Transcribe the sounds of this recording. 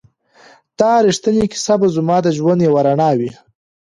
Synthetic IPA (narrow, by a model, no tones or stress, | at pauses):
t̪ɑɾiʂt̪əniki̥sabazumɑd̪əʒwand̪jewaɾaɳɑwi